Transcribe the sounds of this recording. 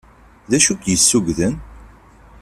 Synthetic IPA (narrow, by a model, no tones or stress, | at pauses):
ðæʃukjəsːuɡðən